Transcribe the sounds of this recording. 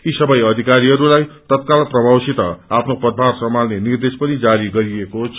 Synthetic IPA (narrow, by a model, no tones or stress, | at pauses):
kisʌbʌjʌd̪ʱikaɾiɦʌɾulajt̪ʌt̪kalprʌbawsit̪ʌ̰apʰnopʌd̪̚bʱarsʌmalnenird̪espʌnid͡zaɾiɡʌɾiekot͡sʰ